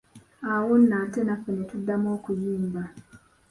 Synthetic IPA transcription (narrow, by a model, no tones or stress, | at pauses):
awonːaːte̞nafenetudːamoːkujiːmba